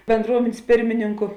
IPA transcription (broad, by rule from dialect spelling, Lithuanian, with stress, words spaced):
bʲɛnˈdruɔmʲeːnʲsʲ ˈpʲɪrʲmʲɪnʲɪŋkʊ